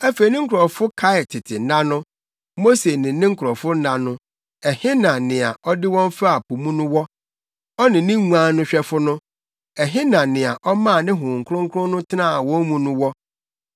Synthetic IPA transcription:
æ˦fe˨i˨nɪ̃˦ŋ̩˦kʰʊ˨ɾɔ̃˨fʊ˦kʰa˦ɪ˨tʰɪ˨tʰɪ˨n̩˦nã˦nʊ̃˦ | mo˦se˨nɪ̃˨nɪ̃˦ŋ̩˦kʰʊ˨ɾɔ̃˨fʊ˦n̩˦ã˨nʊ̃˦ | ɛ˨hɪ˦nã˨nɪ̃˨a˨ʔɔ˦dɪ˦wɔ̃˦m˦fa˦a˨pu˨mũ˦nʊ̃˦wɔ˦ | ɔ˦nɪ̃˨nɪ̃˦ŋũ˦ã˦nʊ̃˦ɕᶣɛ˦fʊ˦nʊ̃˦ | ɛ˨ɦɪ̃˦nã˨nɪ̃˨a˨ʔɔ˦mã˦a˨nɪ̃˦ɦʊ̃˨ŋ̩˨kʰʊ˦ɾʊ̃˦ŋ̩˦kʰʊ˦ɾʊ̃˦nʊ̃˦tʰɪ˦nãː˦˨wɔ̃˦mũ˦nũ˦wɔ˦

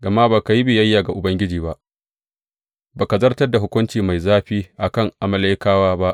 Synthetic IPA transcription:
ɡɐ˨ma˦baː˨ka˨ji˦bɪ˨jɐ˦jːaː˨ɡa˨ʔʊ˨bɐ˦ŋɡʲɪ˦d͡ʒiː˨ba˦ʔ | baː˨ka˨zɐ˦rtɐ˦rda˨ɦʊ˦kʷʊ˦nt͡ʃiː˨ma˨jzaː˦ɸiː˦ʔa˨kɐ˦˨ŋʔa˨mɐ˦la˦jkaː˦waː˦ba˦ʔ

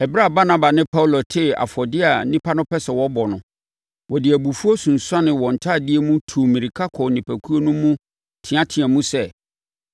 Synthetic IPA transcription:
ɛ˨bɾa˦˨ba˦na˦ba˨nɪ̃˦pʰa˦u˨lo˨tʰɪ˦˨a̰˨fɔ˨dɪ˦a˨nĩ˦pʰa˦nʊ̃˦pʰɛ˦sɛ˨wɔ˦bɔ˨nʊ̃˨ | wɔ˨dɪ˨æ˨bu˨fu˦o˦sũ˨n̩˨sa˦nɪ̃˨wɔ˨n̩˨tʰa˦˨dɪ˦e˦mũ˦tʰu˨mĩ˨ɾi˨kʰa˦kʰɔ˨nɪ̃˨pʰæ˨kʰu˦o˦nũ˦mũ˦ | tʰɪ̃˨ã˦tʰɪ̃˨ã˨mũ˦sɛ˦˨

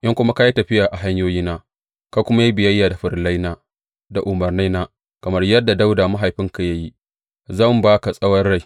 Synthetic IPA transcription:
ʔɪ˦ŋkʷʊ˦ma˦ka˦ja˦tɐ˨ɸɪ˦jaː˨ʔa˨ɦa˦ɲjoː˦jiː˦naː˦ | ka˦kʷʊ˦ma˦ja˦bɪ˨jɐ˦jːaː˨da˨ɸɪ˨rla˦jnaː˦ | da˨ʔʊ˨mɐ˨rna˦naː˦ | kɐ˨mɐ˦rjɐ˦dːa˨da˦wdaː˨ma˦ɦa˨jɸɪ˦ŋka˨ja˦ji˦ | zɐ˦˨mbaː˦ka˨sʼɐ˦wɐ˦rːa˦j

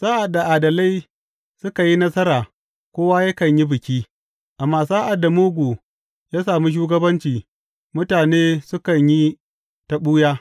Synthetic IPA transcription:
saː˦ʔa˨dːa˨ʔaː˨dɐ˨la˦j | sʊ˦ka˨ji˦nɐ˦sɐ˦ɾaː˨ | kʷoː˦wa˦jɐ˦kɐ˨ɲji˦bɪ˨kʲiː˦ | ʔa˨mːaː˦˨saː˦ʔa˨dːa˨moː˦ɡʷoː˨ | jaː˦saː˨mi˦ʃ̬uː˦ɡɐ˦bɐ˦nt͡ʃiː˨ | mʊ˦taː˨neː˦sʊ˦kɐ˨ɲji˦ | tɐ˦ɓuː˦jaː˦

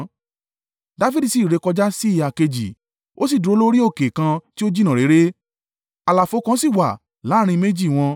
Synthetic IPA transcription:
da˧fi˦di˨si˨˦˨ɾe˧kɔ˧d͡ʒa˦si˦˨a˨ke˧d͡ʒi˨ | o˦si˦˨du˨ɾo˧˦lo˦ɾi˦o˦˨ke˨kã˧ti˦o˦d͡ʒi˦nã˨ɾe˨˦ɾe˦ | a˨˧la˨fo˨˧˦kã˧˦si˦˨wa˨ | la˨˦ɾ̃ĩ˧me˦d͡ʒi˦˨w̃ɔ̃˧

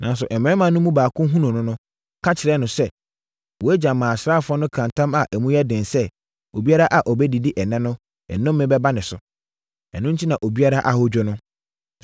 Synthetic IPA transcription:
nã˨n˦s̬ʊ˨ʔɛ˨m˨ɛ̃˦mã˨nʊ̃˦mũ˦baː˨kʰʊ̃˦ɦũ˦nũ˨nʊ̃˦nʊ̃˦ | kʰa˦t͡ɕʰɪ˨ɾɛ˦nʊ̃˨sɛ˦ | wɔ˨æ˦d͡ʑã˨mã˨sɾaː˦˨fʊ˦ɔ˦nʊ̃˦kʰã˨ntʰã˦ma˨ʔæ˨mũ˦jɛ˦dɪ̃˨nsɛ˦ | o˨bi˦a˦ɾa˦ʔa˨ʔɔ˨bɛ˦di˨di˦ʔɛ˨nɛ̃˦nʊ̃˦ | ɛ̰˨nʊ̃˦m˦mɪ̃˦bɛ˦ba˦nɪ̃˨sʊ˨ | ɛ̰˨nʊ̃˦ɲ̩˦tʰi˦nã˨ʔo˨bi˦a˦ɾa˦ʔa˨hɔ˦d͡ʑᶣʊ˦nʊ̃˦

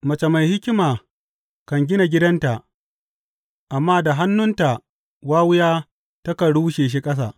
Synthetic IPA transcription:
mɐ˨t͡ʃe˨ma˨jhɪ˦kʲɪ˦maː˨ | kɐ˨ŋɡʲɪ˦na˨ɡʲɪ˦dɐ˦nta˨ʔ | ʔa˨mːaː˦da˨ɦa˦nːʊ˦nta˨ | waː˦wʊ˦jaː˦ | tɐ˦kɐ˨ɽuː˦ʃeː˨ʃ̬i˦kʼɐ˦s̬a̰ː˨

